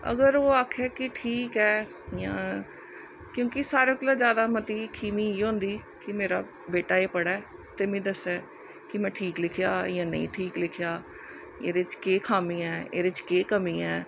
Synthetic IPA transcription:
ə̰ɡəɾoːaːkʰɛːkɪʈʰiːkɛː | jãː | kjõːkɪsaːɾəklãːd͡ʒjaːd̪aːmət̪iːkʰiːmiːɦõːnd̪iːkɪmeːɾa̰ː | beːʈaːeːpəɽaː | t̪eːmẽːd̪əsːɛː | kɪmɛ̃ːʈʰiːklɪkʰɪjaːjãːnə̰ḭ̃ːʈʰiːklɪkʰɪjaː | ḛːɾet͡ʃkeːkʰaːmiːɛːḛːɾeːt͡ʃkeːkəmiːɛː

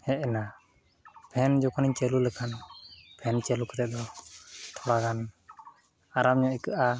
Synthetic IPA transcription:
hɛʔɛna | pʰɛnd͡ʒɔkʰɔniɲt͡ʃɛlulɛkʰanpʰɛnt͡ʃɛlukɛt̪ɛd̪ɔt̪ʰɔɽakan | aɾamɲɔ̃ʔɛkəʔa

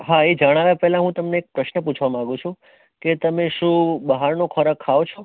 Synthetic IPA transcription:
ɦaed͡ʒəɽ̃aʋjapɛɦlãɦũt̪əmneːk̚pɾəʃnəput͡ʃʰʋamãɡũt͡ʃʰũ | ket̪əmeʃũbəɦaɾnũkʰəɾəkʰːaot͡ʃʰo

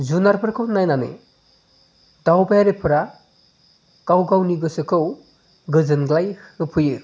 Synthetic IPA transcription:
zunaɾpʰɯɾkʰɯwnajnanɯ̰ | dawbajaɾepʰɯɾa | kawɡawniɡɯsɯkʰɯw | ɡɯzɯnɡlajɯpʰɯjɯ

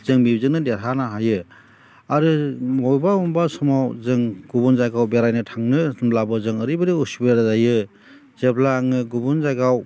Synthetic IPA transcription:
zɯŋmibzɯŋnɯdeɾɦanaɦajɯ | aɾɯmɔjbawɔmbasɔmawzɯŋɡ̥ubunzajɡawbeɾajnɯtʰaŋnɯsblabɯzɯŋɯɾibɯdiusibeɾazajɯ | zeblaːŋɯɡubunzajɡaw

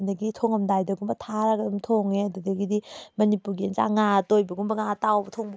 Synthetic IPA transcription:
ndɐɡitʰoŋɐmdajdɐɡumbɐtʰaɾaɡɐdumtʰoŋeɐdudɐɡidimɐnipuɾɡiɐnza̰ŋatojbɐɡumbɐŋatawbɐtʰoŋb

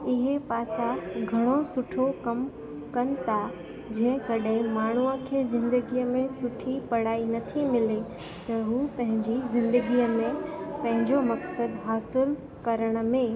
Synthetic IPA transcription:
ɪɦepaːsaɡʱɐɽ̃osʊʈʰokɐm | kɐnɪ̆t̪ʰa | d͡ʑɐ̃ɦɪ̃kɐɗɦɪ̃maːɳ̤uəkʰeːzɪ̃nd̪əɡiːəmẽsʊʈʰipɐɽ̤aːinɐt̪ʰimɪle | t̪ɐɦuːpɐ̃ɦɪ̃ɲd͡ʑizɪ̃nd̪əɡiəmẽpɐ̃ɦɪ̃ɲd͡ʑomɐksəd̪ɦaːsɪl | kɐɾəɽ̃̆mẽ

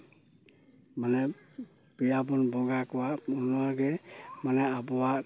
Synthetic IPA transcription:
manɛ | pijabunbɔɡakɔwaunɔaɡɛmanɛabɔwa

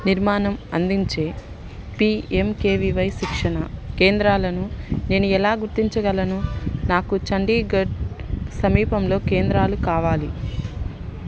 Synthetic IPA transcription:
niɾmaːnɐmɐ̰nd̪iɲt͡ʃe̞ː | piːemkeːʋiʋɐjʃikʂɐnɐke̞ːnd̪ɾaːlɐnune̞ːnuɛlaːɡuɾt̪iɲt͡ʃɐɡɐlɐnunaːkut͡ʃɐɳɖiːɡɐɖsɐmiːpɐmlo̞ːke̞ːnd̪ɾaːlukaːʋaːli

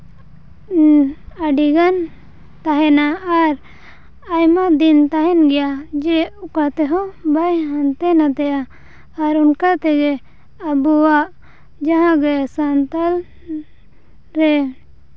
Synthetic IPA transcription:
aɖiɡan | t̪aɦɛnaːɾ | ajmaʔd̪int̪aɦɛnɡɛjad͡ʒɛukat̪ɛɦɔ̃bajɦant̪ɛnat̪ɛjaː | ɾunkat̪ɛɡɛ | abuwaʔ | d͡ʒaɦãɡɛsant̪al | ɾɛ

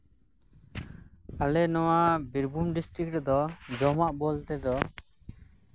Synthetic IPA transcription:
alɛnɔwabiɾbumɖisʈɾik̚ɾd̪ɔd͡ʒɔmaʔbɔlt̪ɛd̪ɔ

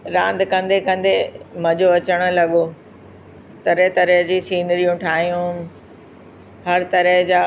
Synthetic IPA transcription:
ɾãːnd̪kɐ̃nd̪ekɐ̃nd̪emɐ̃d͡ʑoɐt͡ɕəɽ̃ʊ̆lɐɠo | t̪ɐɾət̪ɐɾəɦd͡ʑiːsiːnɾijũʈʰaːɦijũ | hɐɾt̪ɐɾəɦd͡ʑaː

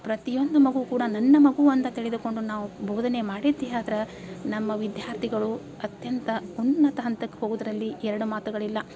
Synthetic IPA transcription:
pɾɐt̪ijo̞nd̪umɐɡukuːɽɐnɐnːɐmɐɡuɐnt̪ɐt̪iɭed̪uko̞ɳɖunaːʋubʱoːd̪ʱɐne̞maːɽid̪ːijaːd̪ɐɾɐ | nɐmːɐʋid̪jaːɾt̪ʰiɡɐɭu | ɐt̪jɐnt̪ɐunːɐt̪ɐɦɐnt̪ɐkːeɦoːɡud̪ɐɾɐlːiʔɛɾɐɽumaːt̪uɡɐɭilːɐ

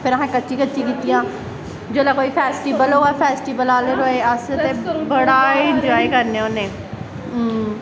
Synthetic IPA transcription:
pʰɪɾəɦãːkətːʃiːkətːʃĩːkiːt̪ijãː | d͡ʒoːlaːkoːiːpʰɛːsʈiːbəloːaːpʰɛːsʈiːbəlaːleːɾoːeːəseːbəɽaːɪ̃nd͡ʒɔːikəɾneːoneː

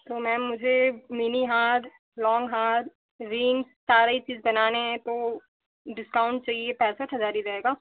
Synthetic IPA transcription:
t̪oːmɛ̃ːmʊd͡ʒʱemiːniɦaːɾ | lɔ̃ːŋɡɦaːɾ | ɾɪ̃ŋɡssaːɾait͡ʃiːzbɐnaːneɦɛ̃t̪o | ɖɪskaːʊ̃ɳʈ̚t͡ʃaːɦiepɛːsət̪ɦɐzaːɾiɾɐɦeːɡaː

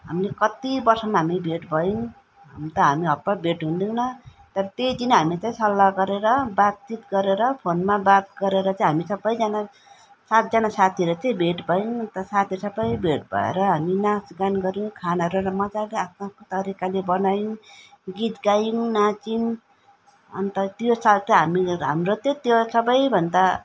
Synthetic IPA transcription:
ɦamilekʌt̪ibʌrsʌmaɦamibʱeʈbʱʌjuŋ | ɦa̰mit̪ʌɦamiɦʌpːʌbʱeʈɦund̪ĩnʌ | t̪ʌɾʌt̪ed͡zinɦamit͡saĩsʌlːaɡʌɾeɾʌbat͡sit̪ɡʌɾeɾʌpʰonmabat̪̚ɡʌɾeɾʌt͡saĩɦamisʌbːʌjd͡zʌna | sat̪̚d͡zʌnasat̪ʰiɾʌt͡sʌj̃bʱeʈbʱʌjuŋʌnt̪ʌsat̪ʰisʌbʌjbʱeʈbʱʌ̰ḛɾʌɦaminasɡanɡʌɾjũkʰanʌɾuɾʌmʌd͡zaleat̪̚makot̪ʌɾikalebʌnajuɡit̪ɡajuŋnat͡sin | ʌ̰nt̪ʌt̪josalt͡sʌɦamiɦa̰mɾot͡sʌ̃t̪josʌbʌjbʱʌnd̪a

